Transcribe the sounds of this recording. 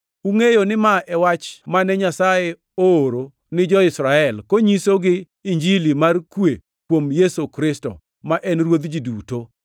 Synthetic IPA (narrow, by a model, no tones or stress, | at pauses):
uŋejonɪmaʔɛwat͡ʃmanɛɲasaje | oːɾo | nɪd͡ʒɔɪsɾaɛlkoɲisoɡɪ | iɲd͡ʒilimarkwe | kwomjesokɾɪsto̰ | maʔɛnɾwod̪d͡ʒiduto